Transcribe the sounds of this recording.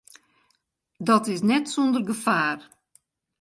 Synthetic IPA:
dɔtɪsnɛtsondərɡəfaːr

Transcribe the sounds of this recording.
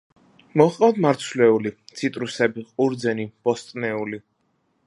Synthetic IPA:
mɔχqʼad̪maɾt̪sʰlɛulit̪sʰit̪ʼɾusɛbiqʼuɾd̪zɛnib̥ɔst̪ʼnɛuli

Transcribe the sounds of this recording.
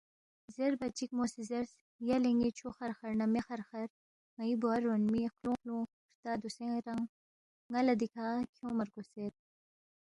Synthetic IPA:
zeɾbɐt͡ʃik̚mosizeɾs | jaleŋɡit͡ʃʰoxɐɾxɐɾnɐmexɐɾxɐɾ | ŋɐibuaɾːonmixlũːklõ | ɾt̪aːd̪usẽɾɐŋː | ɐlɐd̪ikʰaːkʰjõːmɐɾɡoseɾ

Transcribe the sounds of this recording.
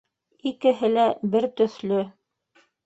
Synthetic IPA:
ikɘ̆ɦɘlæbɘɾt̪ɵ̆θlɵ

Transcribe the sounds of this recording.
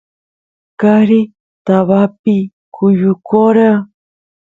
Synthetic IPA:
kaɾi | t̪aβapi | kʰʊjʊkoɾa

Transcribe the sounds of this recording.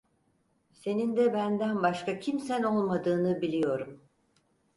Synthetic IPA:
se̞nind̪ɛbænd̪ænbaʃkacʰimsæno̞lˠmad̪ɯːnɯbilʲijo̞ɾum

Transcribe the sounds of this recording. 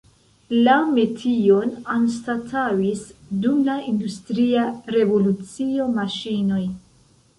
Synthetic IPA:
lame̞tʰio̞nanstatʰawisdumlaindustɾiaɾe̞vo̞lut͡sio̞maʃino̞j

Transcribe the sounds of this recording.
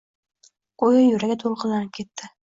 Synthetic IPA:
qojajʊɾaɡʲat̪ʰolˠqʰɨlːanɪp̚kʲʰe̞t̪ʰːɪ

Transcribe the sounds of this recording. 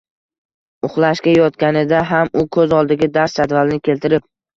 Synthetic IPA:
ʊχlˠaʃkʲajɒt̪kʲanɪd̪aɦamʊkʰɵzɒlˠd̪ɪɡʲad̪aɾst͡ʃad̪valnɪkʲʰe̞lt̪ʰɪɾɪp̚

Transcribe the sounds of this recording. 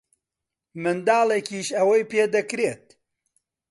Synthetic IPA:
mɨnd̪ɑːlˠekiːʃɐwɐjpeːd̪ɐkɾet̪̚

